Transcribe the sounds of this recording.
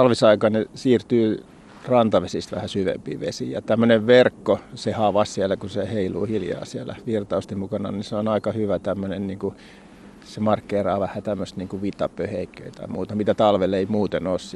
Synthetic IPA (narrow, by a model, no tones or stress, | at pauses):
t̪ɑlʋisɑikɑnesiːrt̪yː | rɑnt̪ɑʋesist̪ʋæ̰hæsyʋḛmpḭːʋḛsijɑ̰t̪æmːøneʋʋerkːosehɑʋɑssiælækuseheilṵːhiljɑ̰ːsiælæ̰ʋirt̪ɑust̪imukɑnɑ̰niseonɑikɑhyʋæt̪æmːønenniːŋku | semɑrkːeːrɑːʋæhæt̪æmːøst̪niːŋkuʋit̪ːɑpːøheikːø̰it̪ɑ̰imuːt̪ɑmit̪æt̪ɑlʋelːeimuːt̪enoːs